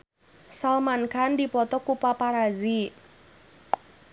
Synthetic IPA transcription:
salmankandipɔt̪ɔkupapaɾazi

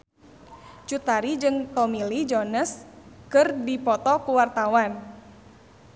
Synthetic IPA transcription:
t͡ʃut̪aɾid͡ʒɨŋt̪ɔmilid͡ʒɔnəs | kɨrdipɔt̪ɔkuwart̪awan

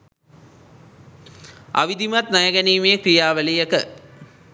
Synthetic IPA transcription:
a̰ʋid̪imɐt̪nɐjɐɡɐniːmejəkɾijaːʋəlijəkə

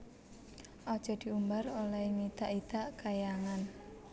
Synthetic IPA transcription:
ʔɔd̥ʒ̥ɔ̤d̪̥i̤umbarolɛŋit̪aʔid̪̥aʔkajaŋan

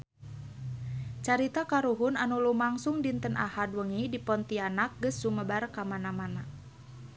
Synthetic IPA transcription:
t͡ʃaɾit̪akaɾuɦunanulumaŋsuŋdint̪ənʔa̰hadwəŋidipɔnt̪ianak̚ɡəsːuməbarkamanamana

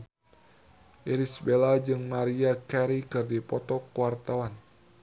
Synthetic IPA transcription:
ʔiɾisbelad͡ʒɨŋmaɾiakɛɾikɨrdipɔt̪ɔkuwart̪awan

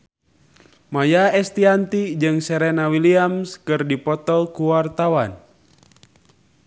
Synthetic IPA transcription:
majaɛst̪iant̪id͡ʒɨŋsɛɾɛnawiliamskɨrdipɔt̪ɔlkuwart̪awan

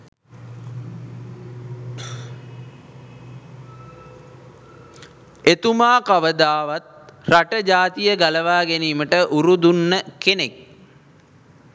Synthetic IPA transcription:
et̪umaːkaʋəd̪aːʋat̪̚raʈəd͡ʒaːt̪ijəɡaləʋaːɡeniːməʈəʔuɾud̪unːəkenek̚

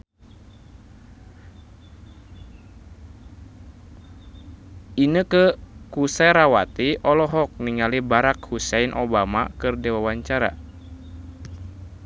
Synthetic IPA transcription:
inəkəkusɛɾawat̪iʔɔlɔɦɔk̚niŋalibaɾakhusɛinʔo̰bama̰kɨrdɛwawaɲt͡ʃaɾa̰

